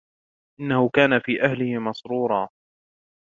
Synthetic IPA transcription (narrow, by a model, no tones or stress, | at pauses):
ʔɪnːahʊkaːnafiːʔahlɪhɪmɑsɾuːɾˤɑː